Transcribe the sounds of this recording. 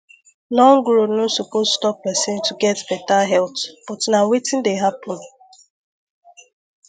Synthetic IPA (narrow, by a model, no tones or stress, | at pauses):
lɔ̃ŋɡɹonosopozstɔp̚ːɛsĩntʰuɡɛtbɛtaɦɛltb̥ɔtnawetɪ̃ndeɦapɔ̃n